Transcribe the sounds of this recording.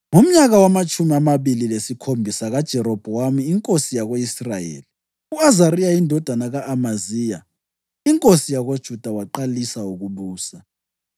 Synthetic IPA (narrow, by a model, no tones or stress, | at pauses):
ŋum̩ɲaɣawamat͡ʃʼʰumiamaβililesikʰombʱisaɣad̥ʒ̥ʱɛɾɔb̥ʱɔwamiːŋkʼosijaɣoisra̰jḛːli | uazaɾijaindʱɔd̥ʱanaɣaʔːmazija̰ | iŋkʼosijaɣod̥ʒ̥ʱud̥ʱawaǃalisauɣuβuːsa